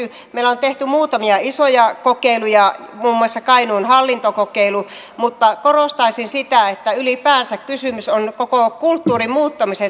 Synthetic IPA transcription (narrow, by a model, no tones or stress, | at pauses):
y | meilæont̪eht̪ymuːt̪ɑmiɑisojɑkokeilujɑmuːmːuɑsːɑkɑinuːnhɑlːint̪okokeilu | mut̪ːɑkorost̪ɑisinsit̪æet̪ːæylipæːnsækkysymysonkokokult̪ːuːrimmuːt̪ːɑmise